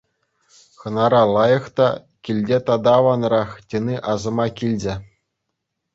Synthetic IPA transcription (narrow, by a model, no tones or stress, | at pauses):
xɤ̆nɑɾɑlˠɑjɤ̆χt̪ɑ̰ | kʲilʲdʲet̪ɑd̪ɑːʋɑnrɑχtʲĕnʲiʔɑzɤ̆mɑkʲilʲd͡ʑɘ̆